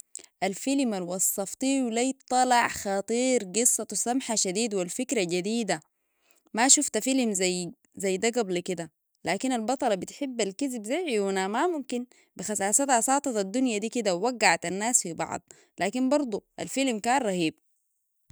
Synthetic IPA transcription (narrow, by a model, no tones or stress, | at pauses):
ʔalfilmalwɑsˤːɑft̪ˤiːwlajt̪ˤːɑlɑʕxɑt̪ˤiːɾɡɨsˤːɑt̪samħaʃad̪iːd̪walfikɾaɟad̪iːd̪a | maʃuft̪afilmzaj | zajːd̪aɡablkid̪a | laːkinalbɑt̪ˤɑlɑbit̪ħibːalkizibzajʕiunamamumkin | bixasaːsat̪hasˤɑːt̪ˤɑt̪ad̪ːunjad̪iːkid̪awwaɡːaʕat̪anːaːsfibɑ̰ʕd̪ˤ | laːkinbɑɾˤd̪ˤuʔa̰lfilmkaːnɾˤɑhiːb̚